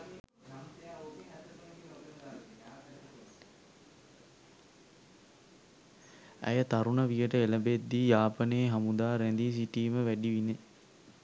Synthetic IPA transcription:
æ̰jət̪aɾunəʋijəʈəeləbed̪ːijaːpəneːɦamud̪aːɾænd̪is̬iʈiːməʋæɖiʋine

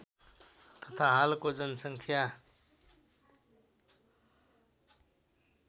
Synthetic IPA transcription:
t̪ʌt̪ʰaɦalkod͡zʌnsʌŋkʰja

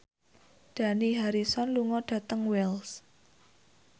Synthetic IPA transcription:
d̥ä̤niɦaɾisɔnluŋɔɖ̥ä̤t̪əŋwɛls

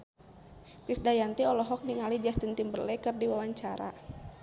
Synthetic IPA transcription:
kisdajant̪iɔlɔɦɔk̚niŋalid͡ʒast̪ənt̪imbərlɛkɨrdiwawaɲt͡ʃaɾa̰

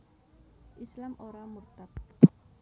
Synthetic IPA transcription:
ʔislamʔoɾamurt̪ap̚

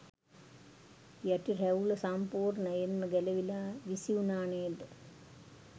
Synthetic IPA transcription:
jɐʈːireulɐsampoːrnɐjenːɐɡelɐʋilaʋisiunaːɳeːd̪

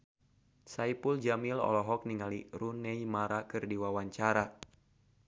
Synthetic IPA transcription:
saipuld͡ʒamilɔ̰lɔɦɔk̚niŋaliɾunɛimaɾakɨrdiwawaɲt͡ʃaɾa

